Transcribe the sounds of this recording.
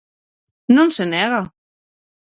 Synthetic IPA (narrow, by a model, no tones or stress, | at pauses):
nonsenɛɣa